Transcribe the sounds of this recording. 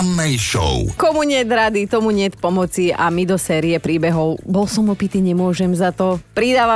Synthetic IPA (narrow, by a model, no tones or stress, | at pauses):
nːɛjʃɔ̰ʊkɔmuɲɪɛd̪ɾad̪it̪ɔmuɲɪɛt̪̚pɔmɔt͡sia̰mid̪ɔsɛːɾiɛpɾiːbɛɦɔʊbɔlsɔmɔpit̪iːɲɛmʊɔʒɛmzat̪ɔpɾid̪aːʋa